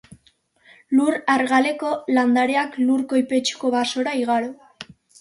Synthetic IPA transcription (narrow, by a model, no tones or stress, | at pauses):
luɾaɾɣale̞ko̞land̪aɾe̞akluɾko̞jpe̞t͡ʃu̥ko̞βaso̞ɾaiɣaɾo